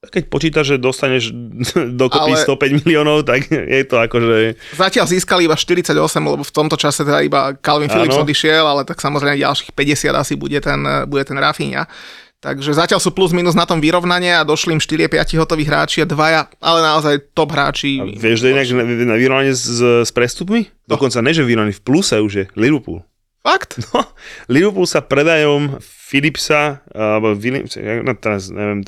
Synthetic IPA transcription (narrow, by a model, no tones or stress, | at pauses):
kɛc̚pɔt͡ʃiːt̪aʒʒɛd̪ɔst̪aɲɛʒd̪ɔkɔalpiɛst̪ɔpɛɟmiliɔnɔʊt̪akjʔɛ̰t̪ɔakɔʒɛzacɪalziːskaliibaʃt̪iɾit͡saɟɔsɛmlɛbɔft̪ɔmt̪ɔt͡ʃasɛt̪ɛd̪a̰ibakalʋinfilipzɔd̪iʃɪɛlalɛt̪aksamɔzɾɛɪmɛɟa̰lʃi̥ːxpɛɟɛsɪa̰d̪asibṵɟɛt̪ɛnbuɟɛt̪ɛnɾafiɲa̰ | t̪a̰ɡʒɛzacɪalsuːpluzmiːnuznat̪ɔmʋiɾɔʋnaɲɪɛad̪ɔʃliːmʃt̪iɾɪɛpɪa̰ciɦɔt̪ɔʋiːɣɦɾa̰ːt͡ʃiad̪ʋajaʔalɛnaɔzajt̪ɔbɦɾa̰ːt͡ʃiʋɪɛʃt̪ɔɛɲɛaɡnaʋiɾɔʋnaɲɪɛspɾɛst̪upmi | d̪ɔkɔnt͡saɲɛʒɛʋiɾɔʋnanifplusɛuʒjɛliʋəɾpṵl | fakt̪nliʋəɾpulsapɾɛd̪ajɔm | filipsaɛbɔfilḭmsɛ̰anɔt̪ɛɾasɲɛ̰ʋɪɛm